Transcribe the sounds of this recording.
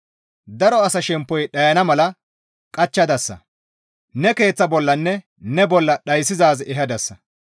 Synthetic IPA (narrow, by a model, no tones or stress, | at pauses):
d̪ɐɾɔɐsɐʃɛmpːɔjɗɐjɐnɐmɐlɐ | kʼɐt͡ʃːɐd̪ɐsːɐ̰ | nɛke̞ːt͡sːɐbɔlːɐnːɛ | nɛbɔlːɐɗɐjsɪzaːzɛɦɐd̪ɐsːɐ